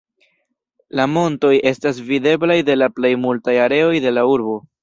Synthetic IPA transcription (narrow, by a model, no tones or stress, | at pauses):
lamo̞nto̞je̞stas̬vide̞blajde̞laple̞jmultajaɾe̞o̞jde̞lauɾbo̞